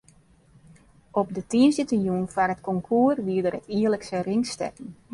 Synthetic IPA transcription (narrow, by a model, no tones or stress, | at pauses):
ɔp̚dətiənsitjuːnfarətkɔŋkʰuːərʋiədəɾətiərləksəriŋstɛ̰kn̩